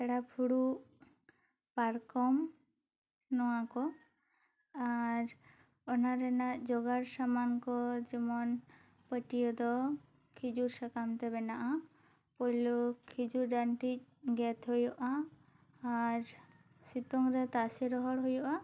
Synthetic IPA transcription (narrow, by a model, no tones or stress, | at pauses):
ɛɽapʰuɽu | paɾkɔm | nɔwakɔ | aɾ | ɔnaɾɛnaʔd͡ʒɔɡaɾsamankɔd͡ʒɛmɔn | pəʈijɔd̪ɔ | kʰid͡ʒuɾsakamt̪ɛbɛnaʔa | pɔjlɔkʰid͡ʒuɾɖaɳʈic̚ˀɡɛt̪ɦojɔʔaː | ɾ | sit̪ɔŋɾɛt̪asɛɾɔɦɔɽɦojɔʔa